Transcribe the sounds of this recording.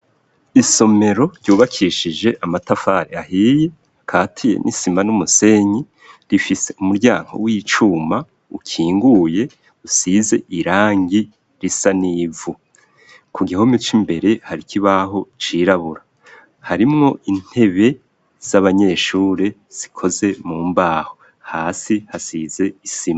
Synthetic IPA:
iso̞me̞ɾo̞ɾɟuːβakʰiʃid͡ʒe̞ʔamatafaːɾḛahiːje̞ | kʰaːtʰije̞̰nʔisimanumuse̞ɲi | ɾifiseumuɾɟaːŋɡo̞̰wit͡ʃuma | ukʰiːŋɡuje̞ | usize̞̰ʔiɾaːŋɡi | ɾisaniːvu | kʰuɡiahomit͡ʃimbe̞ɾe̞haɾikʰiβaɦo̞t͡ʃiɾaβuɾa | haɾimŋo̞ʔin̥e̞βe̞ | z̥aβaɲe̞ːʃuːɾe̞ | z̥ikʰo̞ze̞muːmbaːho̞ | haːsihasize̞isima

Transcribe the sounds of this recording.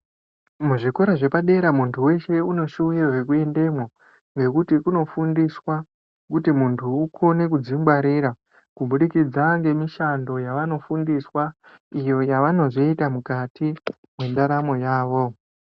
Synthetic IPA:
muʐiko̞ɾaʐe̞paɗe̞ɾamuntʰuwe̞ʃe̞uno̞ʃuwiraʐekue̞nde̞mwo | ŋɡe̞kutikuno̞fundiswa | kutimuntʰuːkʰo̞ne̞kud͡zimbwaɾiːɾa | kuɓuɗikid͡zaŋɡe̞miʃando̞jaʋano̞fundiswa | ijo̞jaʋano̞zoitamukatʰi | mwe̞ndaɾamo̞jaːʋo̞

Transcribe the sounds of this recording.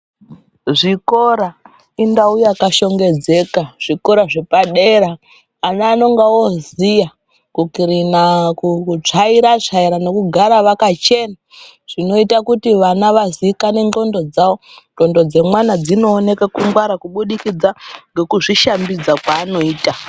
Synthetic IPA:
ʐiko̞ɾa | indaujakaʃo̞ŋɡe̞d͡ze̞kaʐ̥iko̞ɾaʐepaɗe̞ɾaː | naːno̞ŋɡawozija | kukiɾinakut͡ʂaiɾat͡ʂaiɾane̞kuɡʱaɾaʋakat͡ʃe̞na | ʐ̥ino̞itakutiʋanaʋazikane̞nd͡ɮo̞ndo̞d͡zawo̞nɡo̞ndo̞d͡ze̞mwanad͡zino̞ːne̞kakuŋɡwaɾakuɓuɗikid͡zaŋɡe̞kuʐiʃambid͡zakwaːno̞iːta

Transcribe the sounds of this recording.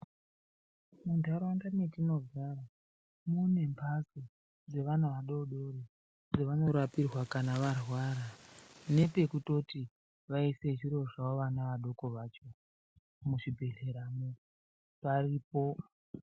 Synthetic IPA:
mundʱaɾwaŋɡanetino̞vara | mune̞mpʰasi | d͡ze̞ʋanaʋaɗo̞ɗo̞re | d͡zeʋano̞ɾapirwakanaʋarwaɾane̞pe̞kuto̞ti | ʋaise̞t͡ʃiɾo̞ʐaoʋanaʋaɗo̞ko̞ʋaːt͡ʃo̞ | muʐibʱe̞ɮe̞ɾamu | pariːpo̞

